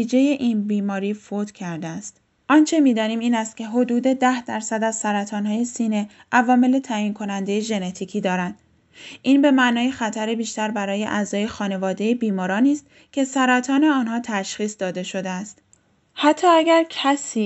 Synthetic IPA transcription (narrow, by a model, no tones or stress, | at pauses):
id͡ʒe̞je̞ʔiːnbiːmɒːɾiːfot̪cʰæɾd̪eæst̪ | ʔɒːnt͡ʃʰe̞miːd̪ɒːniːmiːnæst̪̚cʰʲe̞ɦod̪uːd̪e̞d̪æhd̪æɾsæd̪æzsæɾæt̪ʰɒːnɦɒːje̞siːne̞ | ʔævɒːme̞le̞t̪ʰæːjinkʰo̞nænd̪e̞jeʒe̞net̪ʰiːcʰiːd̪ɒːɾænd̪ | ʔiːnbe̞mæʔnɒːjexæt̪ʰæɾibiːʃt̪æɾbæɾɒːje̞ʔæzɒːje̞xɒːne̞vɒːd̪e̞jebiːmɒːɾɒːniːst̪ | cʰe̞sæɾæt̪ʰɒːne̞ɒːnɦɒːt̪ʰæʃxiːsd̪ɒːd̪e̞ʃo̞d̪eæst̪ | hæt̪ʰːɒːæɡæɾcʰæsiː